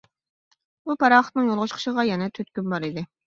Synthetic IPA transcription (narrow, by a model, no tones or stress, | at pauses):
bupʰɑɾɑχət̪nɨŋjolˠʁʊʃqʰə̥ʃəʁɑjɛnɛt̪ʰøt̪kʲynbɑɾid̪ɪ